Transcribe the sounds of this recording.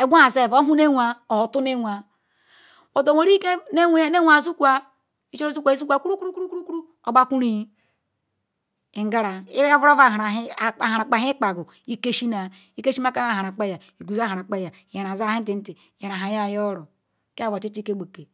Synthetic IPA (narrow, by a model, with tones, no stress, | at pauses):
e˨ɡʷa˦a˨se˦˨o˦ɦu˦ne˦wʷa˨o˨ho˨tu˦ne˦wʷa˨ | o˨do˨wo˨ɾi˦ke˦ne˦wʷne˦wʷa˨zu˦kʷa˦ | i˦t͡ʃo˦zu˦kʷa˨i˦su˦kʷa˦ku˦ɾu˦kɾu˦ku˦ɾu˦ku˦ɾu˦ku˦ɾu˦ | o˨ba˦ku˦ɾi˦ | i˨ŋ˦ɡa˦ɾa˨i˦vu˦ɾo˦va˦˨a˨ɾa˨˦˨a˨ha˨ɾa˨k͡pa˨˦i˦k͡pa˨ɡu˨ | i˦ke˦ʃi˦na˨ | i˦ke˦ʃi˦ma˦ka˦na˦˨ha˨ɾa˨k͡pe˦ja˨ | i˨ɡu˨za˦ha˨ɾa˨k͡pe˦ja˨je˨ɾa˨za˦hi˦n̩˦ti˨n̩˦ti˨je˨ɾa˨ɦa˨ja˦˨jo˦ɾo˨˦ | ke˦a˨vo˨ti˦t͡ʃi˦ke˦˨ɡ͡be˨ke˨